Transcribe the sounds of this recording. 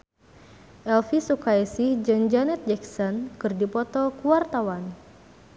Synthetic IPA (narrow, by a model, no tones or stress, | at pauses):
ʔɛlfisukajsɪhd͡ʒənd͡ʒanɛt̪̚d͡ʒɛksɔnkɨrdipɔt̪ɔkuwart̪awan